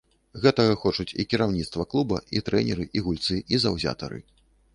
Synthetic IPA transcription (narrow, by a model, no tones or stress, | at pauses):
ɣɛt̪ɐɣɐxɔt͡ʂut͡sʲikʲiɾawnʲit̪st̪vɐklˠubɐ̰it̪ɾɛnʲɛɾɨʔiɣulʲt̪sɨʔizɐwzʲa̰t̪ɐ̰ɾɨ̰